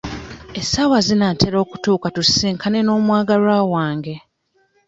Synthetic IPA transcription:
esawazinateɾo̞ːku̥tuːkatusiːŋkʰane̞no̞ːmwaːɡaɾwawaːŋɡe̞

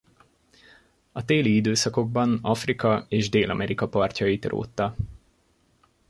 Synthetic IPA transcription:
ɒt̪eːliid̪øːsɒko̞ɡ̚bɒnɒfrikɒeːʒd̪eːlʔɒmɛɾikɒpɒrcɒjit̪ro̰ːt̪ːɒ

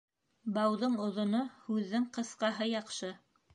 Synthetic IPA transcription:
bɑwðɤɴŏðŏnohʉðːɘŋqɤ̆sqɑɦɤjɑqʃɤ

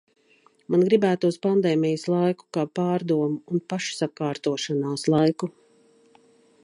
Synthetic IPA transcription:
manɡɾibæːt̪uuspand̪ɛːmijəslˠajku̥kaːpaːɾd̪uɔmuunpaʃsakaːɾt̪uɔʃanaːslˠajku

